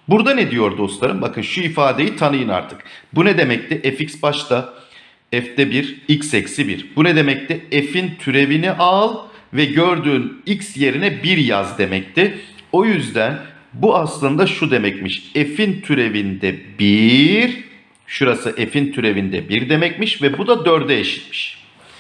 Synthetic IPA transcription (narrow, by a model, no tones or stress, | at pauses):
buɾd̪aned̪ijo̞ɾd̪o̞slˠaɾɯmbakʰɯnʃuifaːd̪e̞jit̪ʰanɯjɯna̰ɾt̪ʰɯ̥kbunɛd̪e̞mɛc̚t̪ɪʔɛficsbaʃt̪a | ɛft̪ɛbiɾicsɛcsibḭɾbunɛd̪e̞mɛc̚t̪ʰɪefint̪ʰyɾe̞viniʔalˠvɛɟøɾd̪yːnicsje̞ɾinɛbiɾjazd̪e̞mɛc̚t̪ʰɪo̞jyzd̪æn | buaslˠɯnd̪aʃud̪e̞mɛcmiʃefint̪ʰyɾe̞vind̪ɛbiɾ | ʃuɾasɯʔefint̪ʰyɾe̞vind̪ɛ̰biɾd̪e̞mɛc̚miʃvɛbud̪ad̪øɾd̪ɛeʃi̥t̪mi̥ʃ